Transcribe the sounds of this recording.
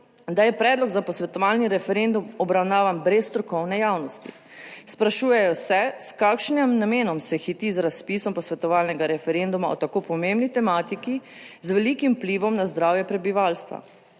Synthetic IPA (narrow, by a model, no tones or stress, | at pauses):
d̪ajɛpɾɛːd̪lɔɡzapɔsʋɛt̪ɔʋalniɾɛfɛɾend̪umɔbɾawnaːʋanbɾɛsːt̪ɾɔkɔwnɛjaːwnɔst̪ḭ | spɾaʃuːjɛjɔsɛskaːkʃnɛmnameːnɔmsɛxit̪izɾaspisɔmpɔsʋɛt̪ɔʋaːlnɛɡaɾɛfɛɾend̪umaɔ̰t̪akopɔmembnit̪ɛmaːt̪ikizʋɛliːkimpliːʋɔmnazd̪ɾaːwjɛpɾɛbiʋaːlst̪ʋa̰